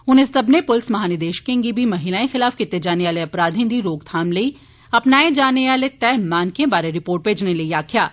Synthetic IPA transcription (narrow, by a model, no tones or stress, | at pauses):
ʊnesɐbnepʊlsmɐɦaːnɪd̪eːʃkẽːŋɡibʱimɐɦilaːẽxɪlaːfkɪt̪ːed͡ʒaːneʋaːleɐpɾaːd̪ʱɪ̃nd̪iɾoːɡt̪ʰaːmlei | ɐpnaːed͡ʒaːneʋaːlet̪ɛːmaːnkẽbaːɾeɾɪpoːɾʈ̚peːd͡ʒnelɐiaːkʰijaː